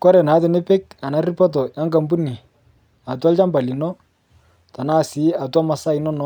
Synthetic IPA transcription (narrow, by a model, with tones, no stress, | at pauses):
kɔ˦ɾɛ˨na˨˦tɪ˨ne˦pe˦k̚ta˨na˨˦ri˦pɔ˦t̬ɔ˨ja˦ŋɡa˨mbu˦ni˨ | a˨twa˦lt͡ʃa˦mba˨li˨nɔ˦ | t̪a˨na˦˨sɪ˨˦a˨twa˦ma˨sa˦i˨nɔ˦nɔ˦